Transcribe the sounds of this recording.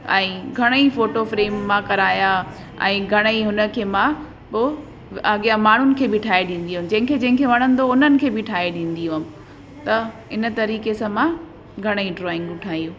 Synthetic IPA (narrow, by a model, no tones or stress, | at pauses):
ɛ̃ːɡʱɐɽ̃əifoːʈofɾeːmːãkɐɾaːja | ɛ̰̃ːɡʱɐɽ̃əiɦʊnə̆kʰeːmã | poː | ɐɠijamaːɳ̤ʊnɪ̆kʰeːbɪʈʰaːeɗĩːn̆d̪ijuʊm̆d͡ʑɐ̃ɦɪ̃kʰed͡ʑɐ̃ɦɪ̃ŋkʰeʋɐɽ̃ə̃nd̪oʊnənɪ̆kʰeːbɪʈʰaːeɗĩːn̆d̪iuɦəm | t̪ɐ | ɪnə̆t̪ɐɾiːkesãmã | ɡʱɐɽ̃iɖɾɔːɪ̃ŋɡʊʈʰaːijũː